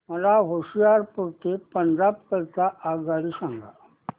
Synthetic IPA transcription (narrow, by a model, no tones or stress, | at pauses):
məlaɦoɕijaɾpuɾt̪epəɲd͡ʑabkəɾt̪aʔaɡaɽisãŋɡa̰